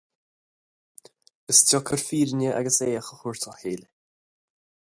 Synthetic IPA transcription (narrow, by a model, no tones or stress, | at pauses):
əstʰɔkʰəɹfiːɹnəʔa̰ɡəseːaxəxʊɹt̪ʰəlheːl